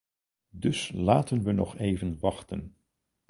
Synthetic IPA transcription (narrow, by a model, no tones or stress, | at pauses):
dɵslaːtənʋənɔ̰χejvənʋɑχtə̰n